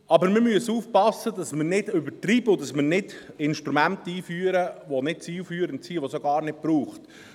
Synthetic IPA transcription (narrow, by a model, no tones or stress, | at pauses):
ɑbəɾmɪmyəsuːfpɑsːədɑsmənɪdʏbətɾiːbəʊdɑsmənɪdɪnʃtɾumæntəiːfyːəɾəʋonɪt̚t͡siːlfyːəɾənt͡siːʋosoɡɑːɾnɪd̚b̥ɾuːχt